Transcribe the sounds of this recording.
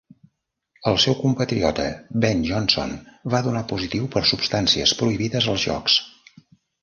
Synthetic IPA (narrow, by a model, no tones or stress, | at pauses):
əlˠsɛwkumpət̪ɾiɔt̪ə̰bɛnʒɔnso̰nβaðunapuzit̪iwpəɾsupst̪ansiə̰spɾuiβiðəzəlˠzʒɔ̰ks